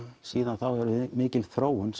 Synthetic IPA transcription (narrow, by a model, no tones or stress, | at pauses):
siːðanθawɛɾʏmɪːcɪlθɾoːwʏns